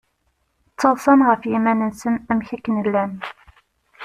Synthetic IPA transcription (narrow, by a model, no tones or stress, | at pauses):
t͡sːəðˤsˤənʁəfjimænənsənæmçækːənəlːæn